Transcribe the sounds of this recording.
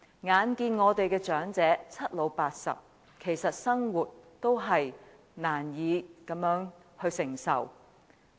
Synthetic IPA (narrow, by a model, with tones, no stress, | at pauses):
ŋaː˨˧nkiː˧nŋɔː˨˧t̪e˨jkɛː˧t͡ʃœː˨˥ŋt͡sɛː˨˥t͡sʰɐ˥t̚lo˨˧wpaː˧t̚sɐ̰˨p̚ | kʰe˨˩jsɐ˨t̚sɐ˥ŋwuː˨t̚t̪o˥wɦɐ˨j | naː˨˩njiː˨˧kɐ˨˥mjœː˨˥ŋ | hɵ˧ɥsɪ˨˩ŋsɐ̰˨˩w